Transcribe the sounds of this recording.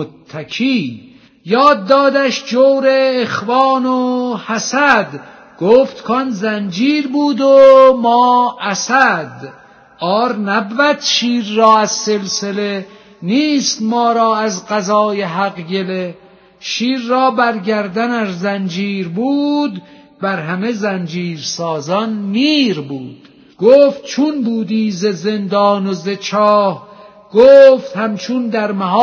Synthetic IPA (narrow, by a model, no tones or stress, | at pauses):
ot̪ʰːækʰiː | jɒːd̪ːɒːd̪æʃd͡ʒowɾeːxvɑːnohæsæd̪ | ɡ̥oːft̪kʰonzænd͡ʒiːɾbuːd̪omɒːæsæd̪ | ɒːɾnæbvæt̪ʃiːɾːɒːæzselsele | niːst̪mɒːɾɒːæzɢæzɒːjeɦæɣɡe̞le | ʃiːɾːɒːbæɾɟæɾd̪ænæzzænd͡ʒiːɾbuːd̪ | bæɾɦæme̞zænd͡ʒiːɾsɒːzɒnmiːɾbuːd̪̥ | ɡ̥oːft̪̚t͡ʃʰunbuːd̪iːzezend̪ɒːnozet͡ʃʰɒːh | ɡ̥oːft̪hæmt͡ʃʰund̪æɾmæɦɒː